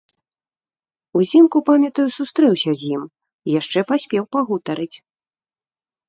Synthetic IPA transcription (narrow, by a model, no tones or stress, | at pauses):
uzʲimkupamʲɐt̪ɐjusust̪ɾɛwsʲɐzʲjim | ijaʂt͡ʂɛpasʲpʲɛwpaɣut̪ɐɾɨt͡sʲ